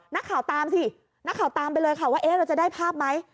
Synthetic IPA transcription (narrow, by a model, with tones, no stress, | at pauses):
na˦˥kʰːaː˩˦wt̪aː˧msʰi˧˥˩ | na˦˥kʰːaː˨˩˦wt̪aː˧mpa˧jlɤː˧jkʰa˥˩waː˥˩ʔeː˦˥ɾa˧wt͡ɕa˨˩daː˥˩jpʰaː˥˩p̚ma˦˥j